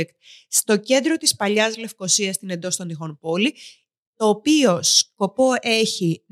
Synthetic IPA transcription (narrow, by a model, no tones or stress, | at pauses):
ekt̪̚st̪o̞ce̞nd̪ɾo̞t̪ispɐʎɐzle̞fko̞siɐst̪ine̞nd̪o̞st̪onixo̞npo̞li | t̪o̞ːpio̞sko̞po̞ʔe̞çi